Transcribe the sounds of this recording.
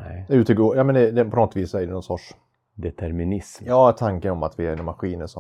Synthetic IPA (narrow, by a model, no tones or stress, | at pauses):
ʉ̟ːt̪ɛɡojɑːmɛnd̪ɛd̪ɛpʰɔnɔt̪ːviːsæɾd̪ɛnɔnsɔʈʂ | d̪ɛt̪ʰæɾmɪnɪsmjɑːt̪ʰaŋkənɔma̰t̪vɪæɾɪnmaɧiːnəʂɔ